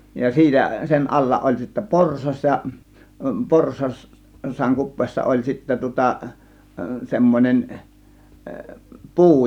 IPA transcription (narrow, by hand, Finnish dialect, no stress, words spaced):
jɑ siːtæ sen ɑlːɑ ʔolʲ sitːæ porsɑs jɑ porsɑs sˑɑːŋ kupˑeːsːɑ olʲ sitːæ tŭŏtɑ semːonʲen puː